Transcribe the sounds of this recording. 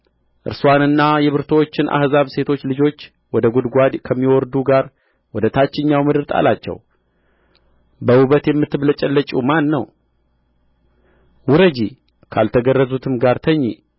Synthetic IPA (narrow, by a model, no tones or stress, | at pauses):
ʔɨ̰ɾswanɨnːajɛβɨɾt̪ʰowot͡ʃːɪnʔa̰hzaβse̞t̪ʰo̞t͡ʃːlɨd͡ʒo̞t͡ʃː | wɔd̪əɡud̪ɡʷad̪kʰəmːiwɔɾd̪uɡaɾ | wɔd̪ət̪ʰat͡ʃːɪɲːawmɨd̪ɨɾt̪ʰʼa̰lat͡ʃːɛ̰w | bəwuβət̪jɛmːɨt̪ːɨβlət͡ʃʼɛlːət͡ʃʼumanːəw | wuɾəd͡ʒi | kʰalt̪ʰəɡərːəzut̪ʰɨmɡaɾt̪ʰəɲːi